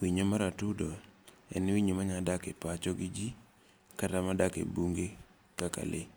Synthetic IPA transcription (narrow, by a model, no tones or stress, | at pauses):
wiɲomaɾatudɔɛ̰nwiɲomaɲadakepat͡ʃɔɡid͡ʒi | katamadakḛbuŋɡe | kaka̰le